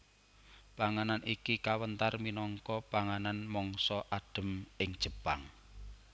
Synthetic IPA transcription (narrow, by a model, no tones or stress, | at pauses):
paŋananikikawənt̪arminɔŋkɔpaŋananmɔŋsɔʔaɖ̥ə̤mɪŋd̥ʒ̥ə̤pa̰ŋ